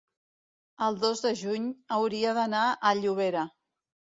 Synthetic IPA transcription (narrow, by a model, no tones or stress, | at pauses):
əlˠd̪ozðəʒuɲəwɾiəðənaʔəʎuβ̞eɾə